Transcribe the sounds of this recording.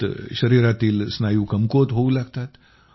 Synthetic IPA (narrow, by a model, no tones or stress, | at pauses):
ɕəɾiɾat̪iːlsnajuːkəmkot̪ɦoulaɡt̪at̪